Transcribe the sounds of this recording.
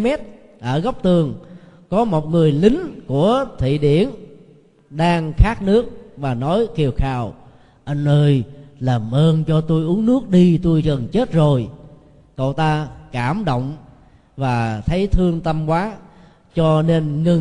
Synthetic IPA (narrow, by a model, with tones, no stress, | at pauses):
mɛ˦˥t̚ | ʔəː˧˩ɣɔ˦˥wk͡p̚t̪ɨ˨˩əŋ | kɔ˨˦mo˨˩t̚ŋɨ˨˩əjlï˨˦ŋ̟ku˧˩ət̪ʰḭ˧˨ɗi˧˩˨ən | ɗaː˧ŋxaː˦˥k̚nɨ˦˥ək̚vaː˨˩nɔ˨˦jki˧˩əwxaː˧˩w | ʔə˧nʔəː˧jlaː˨˩mʔəː˧nt͡ɕɔ˧t̪u˧jʔu˨˦əŋnɨ˦˥ək̚ɗi˧t̪u˧jkə˨˩nt͡ɕe˦˥t̚zo˨˩j | ko̰˧˨t̪aː˧kaː˧˩mɗo̰˧˨wŋ͡m | vaː˨˩t̪ʰə˨˦jt̪ʰɨ˧əŋt̪ə˧mkwaː˨˦ | t͡ɕɔ˧ne˧nŋɨ˧˩